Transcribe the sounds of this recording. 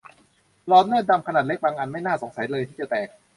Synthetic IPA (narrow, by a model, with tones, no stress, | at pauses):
lɔː˦˥nnɤː˥˩t̪̚da˧mkʰa˧naː˨˩t̪̚le˦˥k̚baː˧ŋʔa˧nma˥˩jnaː˥˩so˩˦ŋsa˩˦jlɤː˧t̪ʰiː˥˩t͡ɕa˨˩t̪ɛː˨˩k̚